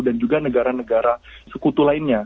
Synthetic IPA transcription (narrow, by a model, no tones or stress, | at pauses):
dand͡ʒuɡanəɡaɾanəɡaɾasəkut̪ulaɪnɲa